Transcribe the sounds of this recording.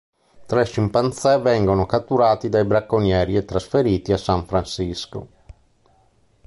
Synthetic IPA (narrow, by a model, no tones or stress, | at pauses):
t̪ɾɛʃimpant̪sɛvɛŋɡonokat̪ːuɾaːt̪id̪ajbɾakːonjɛːɾiet̪ːɾasfeɾiːt̪iasaɱfɾansisko̰